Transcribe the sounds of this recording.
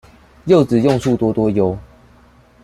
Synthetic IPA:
jo˥˨ʊt͡sɹ̩˨˩jɔ˥˨ŋsu˥˨t̪wɔ˦˥t̪wɔ˦jo˧˦ʊ

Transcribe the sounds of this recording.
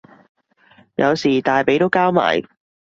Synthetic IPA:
jɐ˨˧wsiː˨˩t̪aː˨jpe˨˥jt̪o˥wkaː˥wma̰ː˨˩j

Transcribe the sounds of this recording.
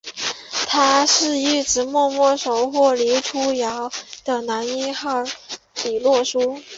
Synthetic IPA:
t̪ʰa˥ʂɻ̩˥˧y˥˩ʈ͡ʂɻ̩˧˩mwɔ˥˧mwɔ˥˩ʂo˨˩ʊxwɔ˥˩li˧˥ʈ͡ʂʰu˥jɑ˧˥ʊd̪̥ə˨na˧˥ni˥xɑ˥˩ʊ | pi˨˩lwɔ˥˩ʂu˥

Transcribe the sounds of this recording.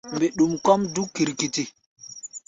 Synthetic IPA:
mbe˨ɗu˨mkɔ˦mdu˦kːi˨ɾki˨ti˦

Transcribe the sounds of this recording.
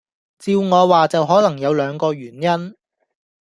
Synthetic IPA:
t͡siː˧wŋɔː˨˧waː˨t͡sɐ˨wɦɔː˨˥lɐ˨˩ŋjɐ˨˧wlœː˨˧ŋkɔː˧ɥyː˨˩njɐ˥n

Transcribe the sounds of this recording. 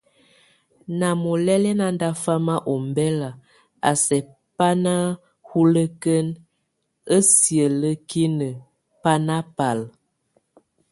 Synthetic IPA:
na˨mo˨lɛ˦lɛ˦na˨nda˦fa˦ma˦ʔo˨mbɛ˦la˨ | a̰˨sɛ˨ | pa˦na˦ | hu˦lə˦kə˦n | ə˦sjə˨lə˦ki˦nə˨ | pa˦na˦pa˨l

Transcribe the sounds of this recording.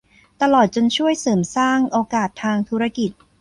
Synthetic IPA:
t̪a˧lɔː˨˩t̪̚t͡ɕo˧nt͡ɕʰu˥˩əjsɤː˩msaː˥˩ŋʔoː˧kaː˨˩t̪ʰːaː˧ŋt̪ʰuː˦˥ɾa˧ki˨˩t̪̚

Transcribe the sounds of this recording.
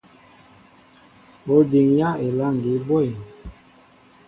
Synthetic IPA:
o˨di˨ŋja˦e˨la˦˨ŋ˨ɡi˨˦bɔ˦i˨

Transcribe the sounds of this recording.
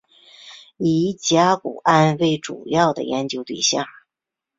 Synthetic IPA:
i˧˥t͡ɕja˥kṵ˨˩a˥nwe˥˩ɪʈ͡ʂṵ˨˩jɑ˥˩ʊd̪ə̰˩jɛ˧˥nt͡ɕjo˧˥ʊt̪wḭ˥˩ɕjɑ̰˥˩ŋ

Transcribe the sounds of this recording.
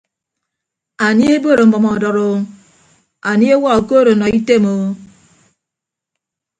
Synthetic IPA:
a˨ni˦e˦bo˦ɾo˨m̩˦bɔ˨mɔ˨dɔ˨ɾo˦ | a˨ni˦e˦wa˦o˨ko˦ɾo˨nɔ˨i˦te˦˨mo˨

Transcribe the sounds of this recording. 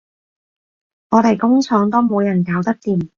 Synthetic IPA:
ŋɔː˨˧t̪e˨˩jkʊ˥ŋt͡sʰɔː˨˥ŋt̪o˥wmo˨˧wjɐ˨˩nkaː˨˥wt̪ɐ˥k̚t̪iː˨˧m

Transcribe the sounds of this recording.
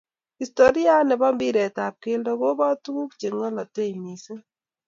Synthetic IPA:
i˨sto˨ɾja˦nɛ˨bɔ˦mbi˦ɾɛ˨ta˨p̚ke˦ndɔ˦ko˦ba˦tu˦ku˦kt͡ʃe˨ŋɔ˦lɔ˨te˦˨mi˨se˦

